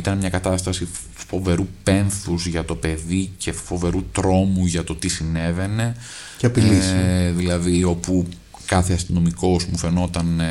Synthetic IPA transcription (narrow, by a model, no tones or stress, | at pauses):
it̪ɐnmɲɐkɐt̪ɐst̪ɐsi | fo̞ve̞ɾupe̞nθuzʝɐt̪o̞pe̞ðice̞fo̞ve̞ɾut̪ɾo̞muʝɐt̪o̞t̪isine̞ve̞ne̞ | ɐpilsðilɐðio̞pu | kɐθeɐst̪ino̞miko̞zmufe̞no̞t̪ɐn